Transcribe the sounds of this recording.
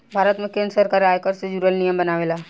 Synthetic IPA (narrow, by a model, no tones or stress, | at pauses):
bʱaːɾət̪mẽkẽːnsəɾkaɾaːjkəɾsed͡ʒuːɾəlnijəmbənaːʋeːlaː